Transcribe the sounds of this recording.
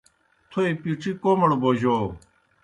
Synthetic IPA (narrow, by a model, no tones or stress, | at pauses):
t̪ʰoːipiːʈ͡ʂʰiːkoːməɽboːd͡ʑoː